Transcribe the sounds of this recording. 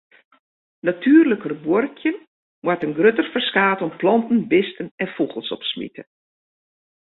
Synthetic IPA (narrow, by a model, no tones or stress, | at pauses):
natʰyːrləkərəbworkʰjən | mwatənɡrøtərfərskaːtɔmplɑntən̩bɪstənɛnfuɣəlˠsɔ̰psmḭtə